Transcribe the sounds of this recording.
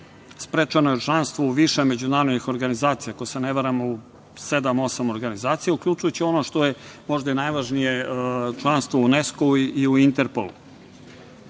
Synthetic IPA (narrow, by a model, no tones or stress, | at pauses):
spɾeːt͡ʃano̞jet͡ʂlˠanst̪ʋouʋiʃeme̞d͡ʑunaːɾod̪nixo̞ɾɡanizaːt̪sijakojseneʋaɾamou | se̞d̪amo̞samo̞ɾɡanizaːt̪sijaukʎʲut͡ʂujut͡ɕio̞noʂt̪o̞jemo̞ʒd̪ainajʋaʒnijet͡ʂlˠanst̪vʋouneskoiuint̪eɾpo̰lṵ